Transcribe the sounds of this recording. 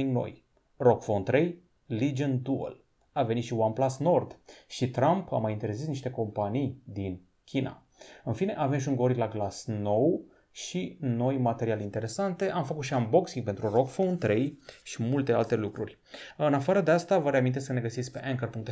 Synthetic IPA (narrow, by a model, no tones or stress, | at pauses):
iŋɡno̞̰j | rokfont̪ɾe̞j | lid͡ʒənd̪uə̰l | aveit̪ʃiwanplasno̞rd̪ʃit̪ɾampʰa̰majint̪e̞ɾzisniʃt̪eko̞mpanijd̪in | kʲina̰ | ɨnfine̞ʔave̞mʃ̬uŋɡo̞ɾilaɡlasno̞w | ʃino̞jmat̪e̞ɾialint̪e̞ɾe̞sant̪e̞ʔamfəkut̪ʃianbo̞ksiŋɡ̚pe̞nt̪ɾurokfownt̪ɾe̞jʃimult̪e̞a̰lt̪e̞lukɾurʲ | ɨnafaɾəd̪east̪avəɾeamint̪esəne̞ɡəsit̪sʲk̚ʲpe̞̰ʔeŋkərpuŋk̚t̪